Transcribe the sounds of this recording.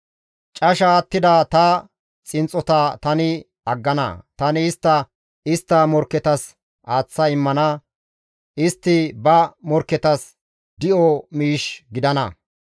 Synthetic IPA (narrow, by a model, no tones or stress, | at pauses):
t͡ʃʼɐʃaːt̪ːɪd̪ɐt̪ɐ | t͡sʼɪnt͡sʼːɔt̪ɐt̪ɐnɪ | ɐɡːɐnɐ̰t̪ɐnɪːst̪ːɐ | ɪst̪ːɐmɔɾkːɛt̪ɐs | ʔaːt͡sːɐɪmːɐnɐ | ɪst̪ːɪbɐmɔɾkːɛt̪ɐs | d̪ɪʔɔmiːʃɡɪd̪ɐnɐ̰